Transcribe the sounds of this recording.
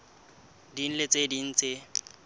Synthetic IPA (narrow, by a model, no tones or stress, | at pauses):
din̩let͡sʼedin̩t͡se